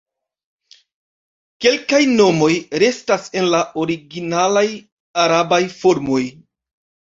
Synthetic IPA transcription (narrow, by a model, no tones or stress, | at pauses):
ke̞lkajno̞mo̞jɾe̞stase̞nlaʔo̞ɾiɡinalaj | aɾabajfo̞ɾmo̞j